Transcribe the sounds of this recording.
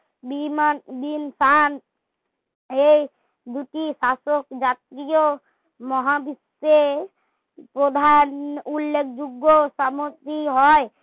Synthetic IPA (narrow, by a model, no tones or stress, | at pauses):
bimanbinsan | ej | d̪uʈisasokd͡ʒat̪ɾijo | mɔɦabis | e | pɾod̪ʱanulːek̚ʰd͡ʒuɡːosamot̪iɦɔe